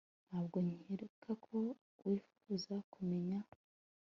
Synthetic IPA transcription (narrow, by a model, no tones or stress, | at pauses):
nhaːbɡo̞ɲiheɾukʰakʰo̞ | wʔifu̥ɡuzakʰumeɲa